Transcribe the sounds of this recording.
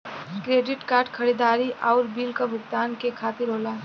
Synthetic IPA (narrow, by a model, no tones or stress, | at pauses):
kɾeːɖɪʈkaːɾɖkʰəɾiːd̪aːɾiʔɔːɾbiːlkabʱʊɡt̪aːnkekʰaːt̪ɪɾɦoːla